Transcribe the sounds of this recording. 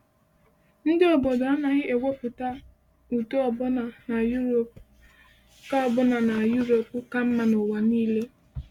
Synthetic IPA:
n̩˦dɪ˦ɔ˨bɔ˨dɔ˨a˦na˨ɣɪ˦ʔe˨ɡʷe˦fʊ˨ta˦ | u˨to˦ɔ˨bɔ˦na˨na˨ju˦ɾo˨p̚ | ka˦ɔ˨bɔ˦na˨na˨ju˦ɾo˨pka˦m̩˦ma˨nʊ˨wa˨niː˦le˦

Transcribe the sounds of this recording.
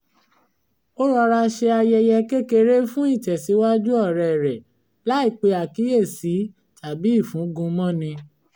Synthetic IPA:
o˦ɾɔ˧ɾa˧ʃe˧a˧jɛ˧jɛ˧ke˦ke˧ɾe˦fũ˦i˦˨tɛ˨si˨˦wa˦d͡ʒu˦ɔ˦˨ɾɛ˨ɾɛ˨ | la˦i˦˨k͡pe˧a˨ki˨˦je˦˨si˨˦ | ta˨bi˨˦i˦˨fũ˨˦ɡũ˧mɔ̃˦˨nĩ˧

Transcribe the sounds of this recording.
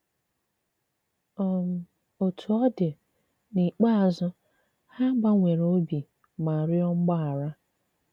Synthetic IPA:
ɔ˦m̩˨ | o˨tʰu˨ɔ˦dɪ˨ | ni˨k͡pa˦a˨zʊ˦ | ha˦ɡ͡ba˦ŋʷe˨ɾo˦bi˨ | ma˨ɾjɔ˦ŋ͡m̩˦ɡ͡ba˦a˨ɾa˦

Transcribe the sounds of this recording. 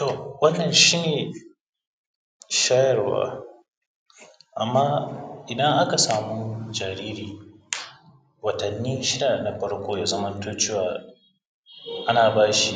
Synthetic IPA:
to˨wɐ˦nːɐ˨nʃiː˦neː˨ | ʃaː˦jɐ˨rwa̰ː˦ | ʔa˨mːaː˦ʔɪ˨dɐ˦ŋʔa˦ka˨saː˨mu˦d͡ʒaː˨ɾiː˦ɾiː˨ | wɐ˨tɐ˨nːiː˦ʃɪ˦da˨na˨ɸɐ˦ɽkʷoː˦jaː˦zɐ˦mɐ˦ntoː˦t͡ʃeː˦waː˨ | ʔa˦naː˨baː˦ʃi˨

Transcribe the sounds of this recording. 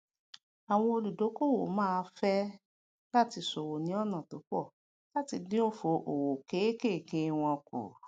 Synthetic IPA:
a˨w̃ɔ̃˧o˧lu˨do˨˦ko˦wo˨mãː˦˧fɛ˦ | la˦ti˧so˨wo˨nĩ˨˦ɔ˦nã˨to˨˦k͡pɔ˦˨ | la˦ti˧dĩ˦o˦˨fo˧ʔo˨wo˨ke˨˦ke˦˨kẽ˧w̃ɔ̃˧ko̰˨

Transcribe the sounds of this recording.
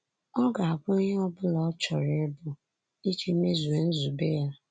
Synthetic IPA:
ɔ˦ɡa˨a˨kʷʊ˦i˦ɲe˦ɔ˦bʊ˦lɔ˨˦t͡ʃɔ˨ɾɪ˨˦e˦bʊ˨ | i˦t͡ʃi˦i˦me˦zu˨e˨n̩˦zu˨be˦ja˦

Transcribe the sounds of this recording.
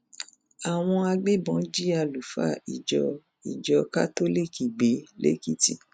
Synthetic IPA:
a˨w̃ɔ̃˧a˧ɡ͡be˦bɔ̃˨˦d͡ʒi˦a˧lu˨fa̰˦˨i˨d͡ʒɔ˧ | i˨d͡ʒɔ˧ka̰˦to˦li˦˨ki˨ɡ͡be˨˦lḛ˦ki˦ti˦

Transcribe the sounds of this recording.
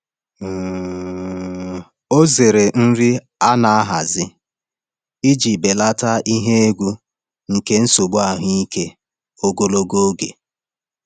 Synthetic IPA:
o˦ze˨ɾe˨n̩˦ɾi˦ | a˦na˨a˦ɦa˨zɪ˦ | i˦d͡ʒi˨be˨la˦ta˦i˦ɦe˦e˦ɡʷu˦ | ŋ̩˨ke˦n̩˦so˨ɡ͡bu˦a˨ɦʊ˦i˦ke˦ | o˦ɡo˦lo˦ɡo˦ɡe˨

